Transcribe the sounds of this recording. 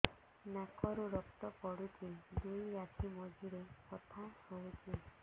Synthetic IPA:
nakʰɔɾuɾɔkt̪ɔkɔɽutʰid̪ujːat̪ʰimɔd͡ʒiɾepɔt̪ʰasɔut͡ʃi

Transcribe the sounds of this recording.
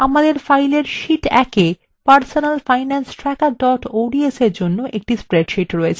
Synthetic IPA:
amad̪eɾfajleɾʃiʈɛ̰ke | paɾsonalfajnansʈɾɛkaɖɔʈoɖieseɾd͡ʑonːoʔek̚ʈispɾeɖʃiʈɾɔet͡ɕʰe

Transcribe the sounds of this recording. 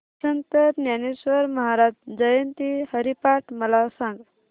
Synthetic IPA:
sənt̪əɾnjanesʋəɾməɦaɾad͡ʒd͡ʒəjənt̪ihəɾipaʈməlasãŋɡ

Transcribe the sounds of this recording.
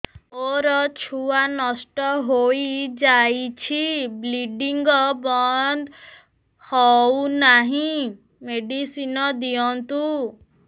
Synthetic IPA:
oɾɔt͡ʃʰuanɔsʈɔɦoid͡ʒait͡ʃʰibliɖiŋɡɔbɔnd̪ | hɔunaɦĩ | meɖisinɔd̪iɔnt̪u

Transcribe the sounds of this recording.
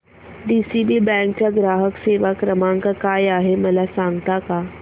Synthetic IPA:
ɖisibibɛ̃k̚t͡ɕaɡɾaːɦəkseʋakɾəmãŋkakajaɦeməlasãŋɡt̪aka

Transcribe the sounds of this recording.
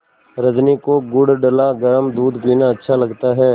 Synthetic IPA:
ɾəd͡ʒnikoɡʊɽɖəlaɡɐɾəmd̪uːd̪piːnaɐtːʃʰalɐɡt̪aɦɛː

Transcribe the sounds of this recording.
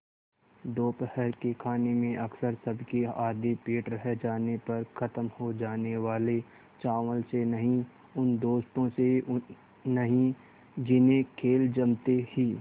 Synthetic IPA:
d̪oːpəhəɾkekʰaːnemẽʔɐksəɾsɐbʱkeaːd̪epeːʈɾɐɦd͡ʒaːnepɐɾkʰɐt̪əmhod͡ʒaːneʋaːle | t͡ʃaːʋəlsenɐɦĩ | ʊnd̪oːst̪õse | nɐɦĩ | d͡ʒɪnẽkʰeːld͡ʒɐmt̪ehiː

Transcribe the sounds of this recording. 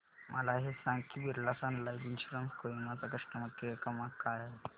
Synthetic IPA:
mʔəlaɦesãŋkʰibiɾlasãnlajbinɕɾəmkoimat͡sakəʂʈəmət̪ːeekəmakaj

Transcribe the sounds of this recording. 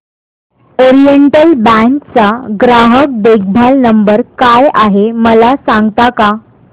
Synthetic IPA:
oɾijeɳʈəlbæŋkt͡saɡɾaɦək̚d̪ek̚ʰbʱalnəmbəɾkajaɦeməlasãŋɡt̪aka

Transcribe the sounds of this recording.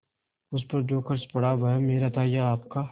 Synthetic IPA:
ʊspɐɾd͡ʒoːkɐɾt͡ʃpɐɽaʋɐɦɛmeːɾat̪ʰaːijaaːp̚kaː

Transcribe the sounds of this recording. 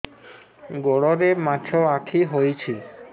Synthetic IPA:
ɡoɽoɾemat͡ɕʰoakʰiɦojt͡ɕʰi

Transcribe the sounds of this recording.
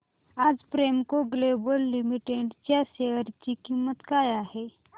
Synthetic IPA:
ad͡zpɾemkoɡlebəlːimiʈeɖt͡ɕjaɕeəɾt͡ɕiːkimːət̪kajaɦe

